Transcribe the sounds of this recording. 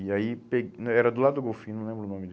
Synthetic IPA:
iaipeɡnɛɾɐd̪ʊlad̪ʊd̪ʊɡowfĩnɐ̃w̃lẽmbɾʊnõmɪd̪

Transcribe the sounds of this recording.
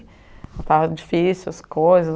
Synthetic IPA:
at̪avɐd͡ʒifisɪʊɐskojzɐ

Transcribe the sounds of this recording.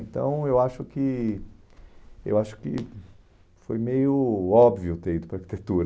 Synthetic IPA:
ẽnt̪ɐ̰̃w̃ewaʃʊkɪ | ḛwaʃʊ̥kɪ̰ | fojmejʊɔbviʊt̪eɾid̪ʊpɾɐaɾkit̪et̪uɾɐ

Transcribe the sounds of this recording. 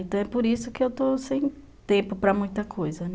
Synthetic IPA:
nt̪ɐ̃w̃ɛpoɾisʊkɪewt̪osẽj̃ | t̪ẽpʊpɾɐmũj̃t̪ɐkʰojzɐ

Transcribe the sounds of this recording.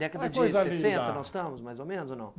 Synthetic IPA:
d̪ɛkɐdd̪ɐd͡ʒɪjzalẽẽnt̪ɐnɔsst̪ɐ̃mʊzmajzomẽnʊzonɐ̰̃w̃

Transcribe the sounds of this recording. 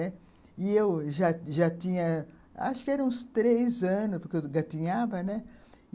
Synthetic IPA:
ɛ | ɪewʒaʒat̪ĩɲɐ | a̰ʃʊ̥kɪɛɾɐ̃ũst̪ɾejzɐ̃nʊspoɾkewɡat̪ĩɲavɐnɛ

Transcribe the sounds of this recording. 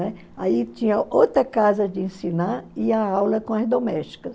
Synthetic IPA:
ɛ | ait͡ʃĩɲɐowt̪ɾɐkazɐd͡ʒɪẽsĩnaɪɐawlɐkõɐzd̪omɛʃt͡ʃi̥kɐs

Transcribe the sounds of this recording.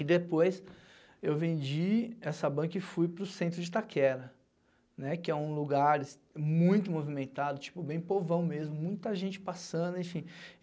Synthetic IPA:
ɪd̪epojs | ewvẽnd͡ʒiɛsɐbɐ̃kɐɪfujpɾʊsẽnt̪ɾʊd͡ʒɪt̪akʰɛɾɐ | nɛkɪɛũluɡaɾɪs | mũj̃t̪ʊmovimẽnt̪ad̪ʊt͡ʃi̥pʊbẽj̃povɐ̃w̃mezmʊmũj̃t̪ɐʒẽnt͡ʃɪ̥pasɐ̃nd̪ʊẽfĩ

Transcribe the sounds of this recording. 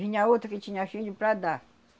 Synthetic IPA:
iɲaot̪ɾɐkɪt͡ʃĩɲafilʊpɾad̪a

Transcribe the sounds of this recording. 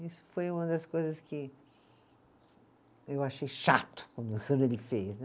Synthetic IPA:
isʊ̥fojũmɐd̪ɐskojzɐskɪ | ewaʃejʃa̰t̪ʊ̥kwɐ̃nd̪ʊkɐ̃nd̪ʊelɪfes

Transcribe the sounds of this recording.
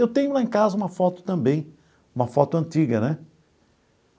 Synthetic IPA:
ewt̪ẽɲʊlaẽkazɐũmɐfɔt̪ʊ̥t̪ɐ̃mbẽj̃ | ũmɐfɔt̪ʊɐ̃nt̪iɡɐnɛ

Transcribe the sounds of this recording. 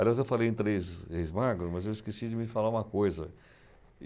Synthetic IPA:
aliazewfalejẽt̪ɾezhejzmaɾɡɾʊmɐzewɪskesid͡ʒɪmɪfalaũmɐkojzɐ

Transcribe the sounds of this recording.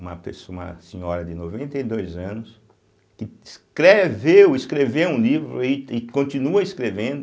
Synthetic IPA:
ũmɐpesoũɐ̰sĩɲɔɾɐd̪ɪnovẽnt̪ɐjd̪ojzɐ̃nʊs | kɪskɾevewɪskɾevewũlivɾʊ̰ɪɪkõt̪ĩnuɐɪskɾevẽnd̪ʊ

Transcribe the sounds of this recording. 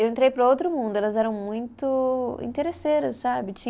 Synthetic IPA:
ewẽnt̪ɾejpɾɐowt̪ɾʊmũnd̪ʊɛlɐzɛɾɐ̃w̃mũj̃t̪ʊḭ̃t̪eɾeseɾɐsːabɪt͡ʃĩ

